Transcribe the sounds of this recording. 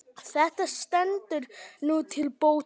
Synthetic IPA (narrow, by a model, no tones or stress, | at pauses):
θɛht̪ast̪ɛnt̪ʏɾnut̪ʰɪlpoːw